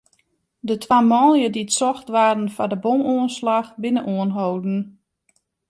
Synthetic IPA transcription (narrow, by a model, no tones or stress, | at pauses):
dətʰwamɔːlˠjədiətsɔxtʋaːdn̩fadəbomuənslaxbɪnənʔuənɦowdn̩